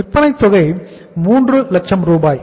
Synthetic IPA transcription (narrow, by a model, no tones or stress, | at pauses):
ɪpːɐnɐɪsɔɣɐɪ | muːndrɯlɐk̚t͡ʃɐmɾuːbaːj